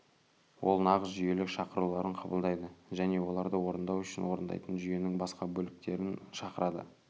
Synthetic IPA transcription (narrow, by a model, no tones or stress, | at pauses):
wʔo̞̰lˠnɑʁəsʒʏje̞lɪkʃɑqəɾulˠɑɾəɴqʰɑbəlˠd̪ɑjd̪əʒæne̞wo̞lˠɑɾd̪əwo̞ɾənd̪ɑwʏʃɪnwo̞ɾənd̪ɑ̰jt̪ənʒʏje̞nɪŋbɑsqɑbɵlɪk̚t̪e̞ɾɪnʃɑqəɾɑd̪ə̰